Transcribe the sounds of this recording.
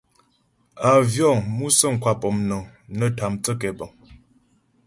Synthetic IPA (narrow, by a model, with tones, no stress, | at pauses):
a˨vjɔ˦˨ŋmu˦sə˦˨ŋ̩˨kwa˨pɔ˨mnɔ˨ŋnə˦ta˨mt͡sə˦kɛ˨bɔ˨ŋ